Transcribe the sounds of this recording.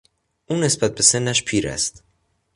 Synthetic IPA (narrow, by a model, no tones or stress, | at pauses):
ʔuːne̞sbæt̪̚be̞se̞nːæʃpʰiːɾæ̰st̪